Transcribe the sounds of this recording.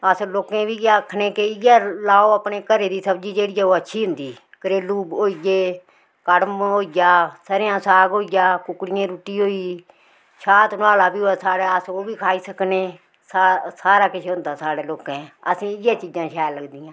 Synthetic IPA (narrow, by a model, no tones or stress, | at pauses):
əsloːkẽːbiːaːkʰːneːkeɪjaːlaːoːəpneːkəɾeːd̪iːsəbd͡ʒiːd͡ʒeːɽɪjaːoːətːʃʰiːɦʊ̃nd̪iː | kəɾeːluːbɦoːijeː | kəɽəmɦoːijaːsəɾɪjãːsaːɡoːijaːkʊkɽɪjãːɾuːʈiːɦoːiː | ʃʰaːt̪naːlaːbiːɦoːaːsaːɽaːəsoːbʱiːkʰaːiːsəkneː | ssaːɾaːkɪʃʰeːɦʊ̃nd̪aːsaːɽeːloːkãːəsĩːɪjãːt͡ʃiːd͡ʒãːʃʰɛːləɡd̪ɪːãː